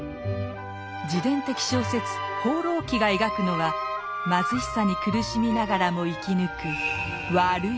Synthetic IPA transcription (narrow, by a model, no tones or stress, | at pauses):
d͡ʑid̪ẽ̞nt̪e̞kʲi̥ɕoːse̞t͡sɨ̥ho̞ːɾo̞ːkʲiɡae̞ɡakɯ̟no̞βa | mazɨɕi̥saɲ̟ikɯ̟ɾɯɕimʲinaɡaɾamo̞ikʲinɯ̟kɯ̟ | βaɾɯ̟